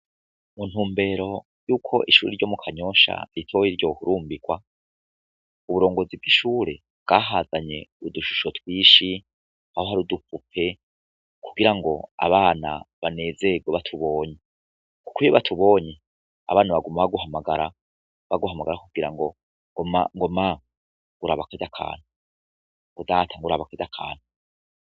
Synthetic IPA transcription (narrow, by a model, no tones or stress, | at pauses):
mun̥huːmbe̞ːɾo̞ | juːkʰo̞ʔiʃuːɾiɾɟo̞ːmukʰaɲo̞ʃa̰ɾitʰojiɾɟo̞huɾuːmbiɡ̥wa | uβuɾo̞ːŋɡo̞zibɡiʃuːɾe̞̰ | bɡ̥aːɦaːzaɲe̞uduʃu̥ʃotwiːʃi | hahoɦaɾudupupʰe̞ | kʰuɡiɾaŋɡo̞̰a̰βaːna̰βane̞ːze̞ɡoβatʰuβo̞ːɲe | ku̥kujoβatʰuβo̞ːɲe | a̰βaːnaβaɡumaβaɡuɦamaɡaɾa | βaɡuɦamaɡaɾakuɡiɾa̰ŋɡo | mŋɡoma | ŋɡuɾaːβakaɟakʰa̰ːn̥u | ŋɡodaːtʰaŋɡoɾaβakaɟakʰa̰ːn̥u